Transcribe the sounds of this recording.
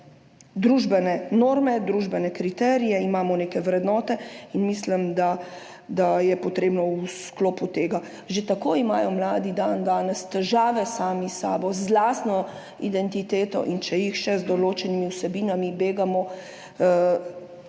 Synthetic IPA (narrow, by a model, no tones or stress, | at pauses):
d̪ɾuːʒbɛnɛnoːɾmɛd̪ɾuʒbɛnɛkɾit̪ɛːɾijɛimaːmɔneːkɛʋɾɛd̪nɔːt̪ɛinmislimd̪a | d̪ajɛpɔt̪ɾeːbnɔwuskloːput̪eːɡa | ʒet̪akoːimaːjɔmlaːd̪id̪and̪aːnɛst̪ɛʒaːʋɛsaːmisa̰ːbɔzlaːst̪nɔ | id̪ɛnt̪it̪eːt̪ɔ̰ʔint͡ʃɛjixʃɛzd̪ɔloːt͡ʃɛnimiwsɛbiːnamibeːɡamɔ